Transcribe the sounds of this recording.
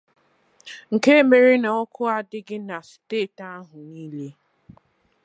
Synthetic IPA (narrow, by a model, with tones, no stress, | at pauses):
ŋ̩˨ke˦e˦me˨ɾɪ˦na˨ɔ˦kʰʊ˦a˦dɪ˦ɡɪ˦na˨si̥˨teː˦˨ta˦ɦʊ˨niː˦le˦